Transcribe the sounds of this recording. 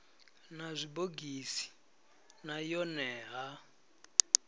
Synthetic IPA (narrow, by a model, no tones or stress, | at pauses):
nazʷiboɡisi̥ | najɔnɛːɦa